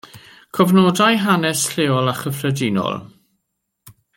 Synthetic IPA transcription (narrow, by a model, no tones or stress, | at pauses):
kʰɔvnɔːdajɦanɛsɬeːɔlˠaχəfrədinɔ̰lˠ